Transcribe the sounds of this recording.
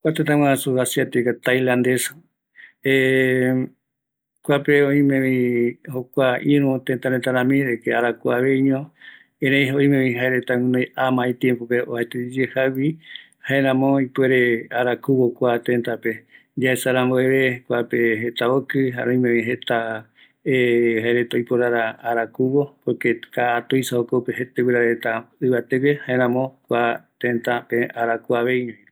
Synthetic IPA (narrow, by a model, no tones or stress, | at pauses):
kʷat̪et̪ãwããsuasiat̪ikat̪ajlãnd̪es | e | kʷapeõĩmẽβĩhokʷaʔĩɾũt̪ent̪aɾet̪aɾãmĩɾekeaɾakuaβeɲõ | ẽɾẽj̃ɦoĩmẽβĩɦaeɾet̪aŋɨ̃nõjamãĩt̪jẽmpopeo̰haet̪ed͡ʒehawi | haeɾãmõipweɾeaɾakuβokʷat̪ẽnt̪ape | d͡ʒaesaɾãmboeβekʷapeɦet̪aokɨɦa̰ɾõĩmẽwĩɦet̪a | ehaeɾet̪aojpoɾaɾaaɾakuβopokekaːt̪ojsaokopeɦet̪ewiɾaet̪aɨβat̪ewehaeɾ̃ãmõkʷat̪ẽnt̪apeaɾakuaβeiɲõĩ